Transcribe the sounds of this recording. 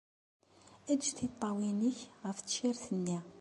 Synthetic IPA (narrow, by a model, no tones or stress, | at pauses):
æd̪d͡ʒθit̪ˤːɑwinəçʁəfʃiɾθənːi